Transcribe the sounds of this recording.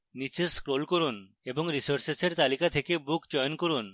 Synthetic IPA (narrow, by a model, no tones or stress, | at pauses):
nit͡ɕeskɾolkoɾun | eboŋɾisoɾseseɾt̪alikat̪ʰekebukd͡ʑɔjonkoɾun